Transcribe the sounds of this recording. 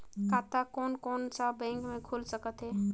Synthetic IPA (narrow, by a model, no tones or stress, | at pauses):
kat̪akɔnkɔnsabɛ̃ŋkmekʰulsəkət̪ɦɛ